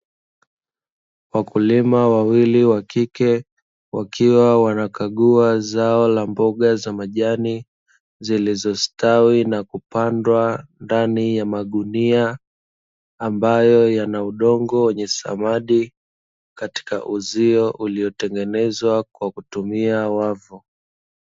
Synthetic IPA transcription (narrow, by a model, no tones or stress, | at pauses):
wakulimawawiliwakikɛ | wakʰiwawanakaɠuazaɔlambɔɠazamaʄani | zilizɔstawinakupandwandanijamaɗunia | mbajɔjanauɗɔŋɡɔwɛɲɛsa̰maɗi | kati̥ka̰ʔuziɔʔuliɔtɛŋɡɛnɛzwakwakutumiawavu